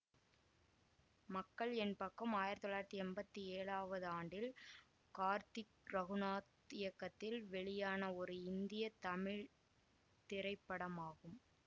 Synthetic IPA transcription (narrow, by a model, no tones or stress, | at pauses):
mɐkːɐɭɛnpɐkːɐmaːjɪɾɐt̪ːɔɭːaːjɾɐt̪ːiɛmbɐt̪ːieːɭaːʋɐðɯaːɳɖɪl | kaːɾt̪ɪkɾɐɣɯnaːt̪ | ɪjɐkːɐt̪ːɪlʋɛɭɪjaːnɐɔɾɯɪnd̪ɪjɐt̪ɐmɪɻ | t̪ɪɾɐɪpːɐɽɐmaːɣɯm